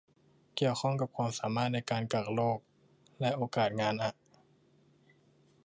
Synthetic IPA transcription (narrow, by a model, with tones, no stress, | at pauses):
ki˨˩əwxʰɔ˥˩ŋka˨˩p̚kʰwaː˧msaː˩˦maː˥˩t̪̚na˧jkaː˧nka˨˩k̚loː˥˩k̚ | lɛ˦˥ʔoː˧kaː˨˩t̪̚ŋaː˧nʔa˨˩ʔ